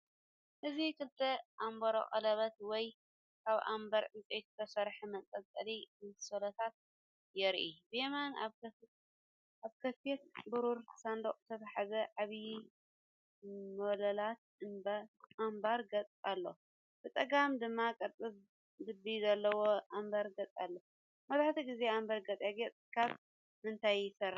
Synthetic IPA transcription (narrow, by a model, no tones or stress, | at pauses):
ʔɨzikʰɨlt̪ʰɐʔambɐɾo̰χʼɐ̰lɐβɐt̪wɔj | kʰaβʔa̰mbɐɾʕɨnt͡sʼejt̪t̪ʰɐsɐɾħimɐkʼɐt͡sʼɐlimɨsolɐt̪ʰat̪̚ | jɛɾʔibemana | ʔaβkʰɐfet̪̚buɾuɾʰsand̪okʼt̪ʰɐβaħazɐʕaβi | mɐlɐlat̪̚ɨbaʔambaɾɡɐt͡sʼalːo | b̥ɨt̪ʼɐɡamd̪ɨmːakʼɐt̪ʼɨβ | d̪ɨbizɐlːɐwoʔambaɾɡɐt͡sʼalːo | mɐzaħt̪ʰiɡize̞ambaɾɡɐt͡sʼjaɡet͡sʼkʰaβ | mɨnt̪ʰajɪsɐɾ